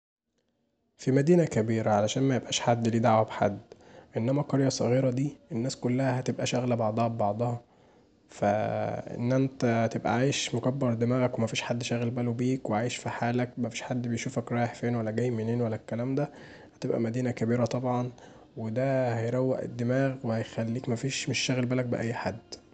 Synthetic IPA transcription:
fimæd̪iːnækæbiːɾæʕalæʃæːnmæjebʔæːʃħad̪ːliːd̪aʕwæbħa̰d̪ːʔenːæmæqɑɾˤjɑsˤɑɣiːɾɑd̪iːʔenːæːskolːæhæɦæt̪ebʔæʃæɣlæbɑʕd̪ˤɑhɑbebɑʕd̪ˤɑhɑ | fæʔḛnːʔænt̪æt̪ebʔæ̰ʕajeʃmokæbːɑɾˤd̪emæːɣækwemæfiːʃħad̪ːʃæɣlbælobiːkweʕaːjeʃfiħaːlæk̚mæfiːʃħad̪ːbejʃuːfækɾˤɑːjeħfiːnwælːæɡæjːmeneːnwælːækːælæːmd̪æ | hæt̪ebʔæ̰mæd̪iːnækæbiːɾæt̪ˤɑbʕɑn | wed̪æhæjɾˤæwːæ̰ʔḛd̪ːemæːɣwehæjxælːiːkmæfiːʃmeʃːæɣlbælæk̚bḛʔæjːħad̪ː

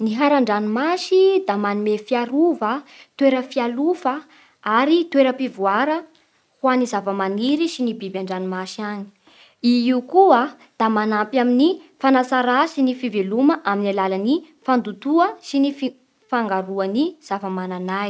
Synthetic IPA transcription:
niɦaɾaɳɖ͡ʐanimaʃid̪amanimefiaɾuvət̪weɾəfialufə | aɾit̪weɾəpivuaɾə | hwanizavəmaniɾisinibibjaɳɖ͡ʐanimaʃiani̥ | iiukua | d̪̥amanampjaminifanasaɾasinifiveluməʔaminalalani | fand̪ut̪uəsinif | faŋɡaɾuəniz̥avəmananaj

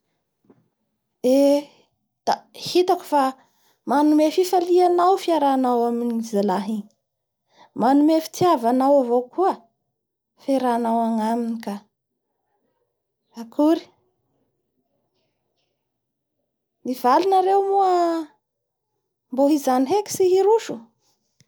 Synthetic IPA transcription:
e | d̪̥ahit̪aku̥fa | manumefifalianawfiaɾanawaminizalaɦiŋi | manumefi̥t͡siavanawavokʰuə | feɾanawaŋaminika | akʰuɾi̥ | mivalunaɾewmuə | mboɦizaniɦeki̥siɦiɾuʃu

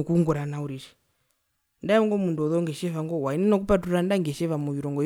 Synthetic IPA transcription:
ɔkuŋɡɔɾanauɾiʃi̥ | ndaɔŋɡɔmunduɔðɔŋɡɛʃɛβaŋɡɔwainɛnɔk̬upatuɾandaŋɡɛʃɛvamɔʋiɾɔŋɡɔ

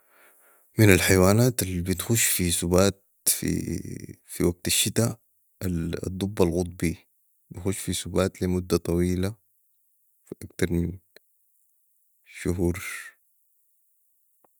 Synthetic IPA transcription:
minalħajwaːnaːt̪alibit̪xuʃfisubaːt̪̚ | fḭ | fiwaɡ̚t̪aʃːit̪a | d̪ˤːubːalɣʊt̪̚ˤbiː | bixuʃːfisubaːt̪limud̪ːat̪ˤɑwiːla | fiʔakt̪ɑɾˤmin | ʃuɦuːɾ

